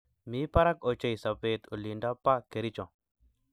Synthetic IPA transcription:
mi˦pa˦ɾa˦kɔ˨t͡ʃa˦jsa˨pe˨t̪o˨li˨ɳɖa˦pːa˦ke˨ɾi˦t͡ʃɔ̃˨

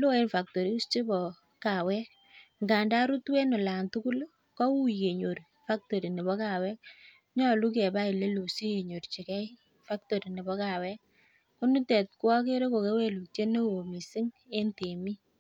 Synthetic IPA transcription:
lo˦e˦nfa˨k̚to˨ɾi˨˦u˦st͡ʃe˦bɔ˨ | ka˨wɛ˦k | ŋɡa˨nda˦ɾu˦twe˦nɔ˨la˨ntu˦ku˦l | kɔ˦wu˦i˨ke˨ɲo˨ɾ | fa˦k̚to˨ɾi˨ne˨bɔ˦ka˨wɛ˦k̚ | ɲɔ˦˨lu˦kɛ˨ba˦i˨le˦lo˨si˦ke˨ɲo˨ɾt͡ʃi˨kɛ˦i | fa˦k̚to˨ɾi˨ne˨bɔ˦ka˨wɛ˦k̚ | ko˦nu˦tɛ˨t̚kwɔ˦ke˦ɾe˦ko˨ke˦we˦lu˨t͡ʃe˦ne˦wo˨mi˨sɪ˦ŋe˦nte˨mi˦

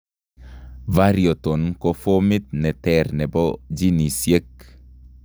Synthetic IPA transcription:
va˦ɾjo˨t̪o˨nko˦fo˦mɪ˦t̪̚nɛ˨t̪ɛrnɛ˨bɔd͡ʒi˦ni˨sje˦k̚

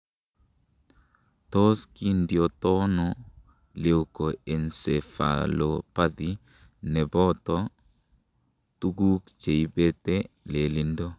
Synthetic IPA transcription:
to˦ski˦ndi˨o˨to˦nɔ˨ | le˨wko˨e˨nse˨fa̰˨lo˨pa˦d̪i | nɛ˨bɔ˦tɔ˦ | tu˦ɡu˦kt͡ʃe˨jbe˦tɛ˦ | le˨li˨ndo˦

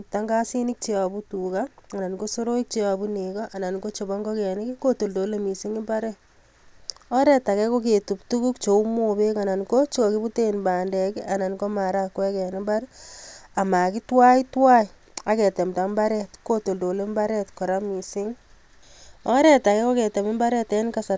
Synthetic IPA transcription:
p̚ta˦ŋɡa˦si˦ni˦k̚t͡ʃe˦a˨bu˦tukaa˨na˨nɡo˦so˦ɾo˦i˦k̚t͡ʃe˦wa˨bu˦nekɔʔa˨na˨nɡo˦t͡ʃo˨ba˦ŋɡo˦kɛ˨ni˦ki˦ko˦to˨ldo˨le˨mi˨si˦ŋi˦mba˦ɾɛ˦t | ɔ˦ɾɛ˨ta˨kɛ˦ko˦k̬e˨tu˨ptu˦ku˦kt͡ʃo˨u˦mobe˦ka˨na˨nko˦t͡ʃi˦o˨ki˦bu˦te˦nba˨ndɛ˨ki˦a˨na˨nɡo˦ma˨ɾa˦kːwɛ˦kɛ˨ne˦mba˦ɾ | a˨ma˨ki˦twa˦i˦twa˦i | a˨kɛ˨tɛ˨mta˦mba˦ɾɛtko˦to˨ldo˨le˦mba˦ɾɛtkɔ˨ɾa˦mi˨sɪ˦ŋ | ɔ˦ɾɛ˨ta˨kɛ˦ko˦ke˨tɛ˨mɪ˦mba˦ɾɛ˦tɛ˨˦nka˦sa˨

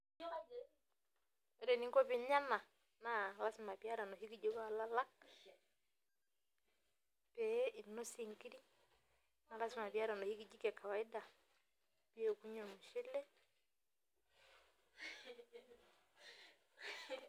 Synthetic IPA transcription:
ɾɛ˨ni˨˦ŋɡɔ˦pi˨ɲa˦na˨ | na˨la˦si˨ma˨pja˦ɾa˨nɔ˨ɦi˦ki˨d͡ʒɔ˦ka˨la˦la˦ | pɛ˨˦ʔi˨nɔ˦si˦˨ŋki˦ɾi˦ | na˨la˦si˦˨ma˨pi˨a˦ɾa˨nɔ˨hi˦ki˦d͡ʒi˦kɛ˨ka˨wa˨i˦da˨ | pi˦ɛ˨ku˦ɲɔ˦˨mu˨ʃi˦lɛ˦

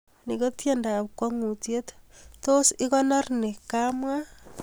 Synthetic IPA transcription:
ni˨kotjenda˨pkwa˦ŋu˨tjetto˦si˦ko˦na˦rne˨kamwa

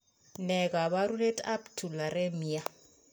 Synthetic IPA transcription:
nɛ˨kʼa˨βa˦ɾu˦le˦tʼa˦ptʰu˨la˨ɾe˦mi˨ja˦

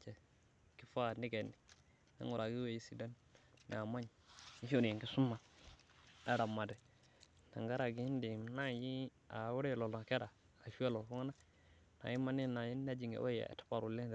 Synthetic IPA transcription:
t͡ʃe˨ | ki˦fa˦˨ni˦ɡe˨nːi˨ | na̰˦ŋu˨ɾa˨ɡi˦we˦˨ji˦si˨da˦n̰ː˨a˨ma˦ɲ˨ni˦fu˦ɾji˨ŋki˦su˦mːa˨ | da˦ɾa˨mːa˨dɛ˨ | na˨ŋɡa˦ɾa˨ɡi˦i˦n˦di˨m˨na˦ji˦ | a˨wu˦ɾe˦˨lo˨lo˨ke˦ɾaː˨ | fi˦a˦lo˨fu˦ŋa˦na˦ | na̰˨ji˦ma˦ni˦˨na˨ji˦nː˦a˦d͡ʒi˨ŋɡḛ˨˦o˦ja̰˨tḁ˦pa˨ɾu˨le˦˨

